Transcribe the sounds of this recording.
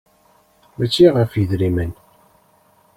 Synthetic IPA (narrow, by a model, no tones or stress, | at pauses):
mæt͡ʃːiʁəfjəðɾimən